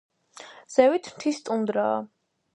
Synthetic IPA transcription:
z̥ɛvit̪ʰmt̪ʰist̪ʼund̪ɾaː

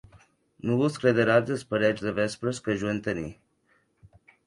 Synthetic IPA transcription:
nuβuskɾeðəɾazəspəɾɛt͡ʃd̪əβɛspɾəskəʒuent̪ənḭ

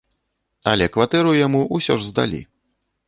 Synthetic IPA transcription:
ɐlʲɛkvat̪ɛɾujamuʔusʲɔʐzd̪a̰lʲḭ

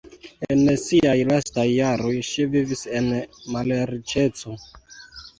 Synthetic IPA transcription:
ensiajlastajːaɾo̞jʃivivise̞nmalɾit͡ʃe̞t͡so̞

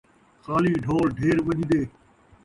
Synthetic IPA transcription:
xaːliːɖʱoːɾɖʱeːɾʋəʄd̪eː

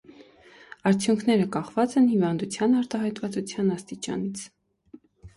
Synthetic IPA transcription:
ɑɾt͡sʰjuŋkʰnɛɾəkɑχvɑt͡sɛnhivɑnd̪ut͡sʰjɑnɑɾt̪ɑɦɑjt̪vɑt͡sut͡sʰjɑnɑst̪it͡ʃɑ̰nit͡sʰ

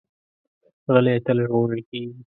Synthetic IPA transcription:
ɣəlet̪əlʒʁoɾəlkeːɡi

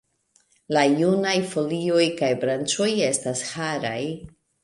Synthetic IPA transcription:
lajunajfo̞lio̞jkajbɾant͡ʃo̞je̞stashaɾa̰j

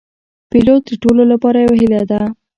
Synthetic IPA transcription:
pilot̪̚d̪əɾʈololapɑɾajawaɦilad̪a

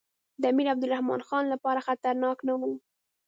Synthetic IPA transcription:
d̪amiɾab̚d̪ʊlɾahmɑ̰nxɑnlapɑɾaxat̪aɾnɑknawu

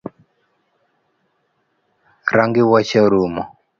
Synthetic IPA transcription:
ɾaŋɡɪwat͡ʃaɾumɔ̰

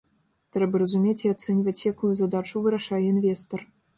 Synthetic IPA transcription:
t̪ɾɛbɐrɐzumʲet͡sʲiat̪sɛnʲivɐt͡sʲjakujuzad̪at͡ʂuvɨɾaʂajɛinvʲɛst̪ɐr

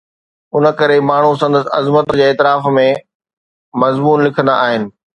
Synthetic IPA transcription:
ʊnə̆kɐɾemaːɳ̤us̬ɐ̃nd̪əsɪ̆ɐ̰zmət̪d͡ʑeːɛːt̪ɪɾaːfmẽ | mɐzmuːnlɪkʰə̃nd̪aʔaːɦɪnɪ̆

